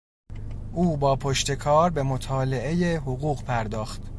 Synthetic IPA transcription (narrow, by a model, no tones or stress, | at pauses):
ʔuːbɒːpʰoʃt̪e̞kʰɒːɾbe̞mot̪ʰɒːle̞ʔe̞jeɦoɣuːɣpʰæɾd̪ɒːxt̪